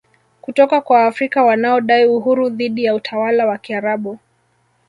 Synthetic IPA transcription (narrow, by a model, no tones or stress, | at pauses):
kutɔkakwaːfɾikawanaɔɗaiuɦuɾuðiɗijautʰawalawakiaɾaɓu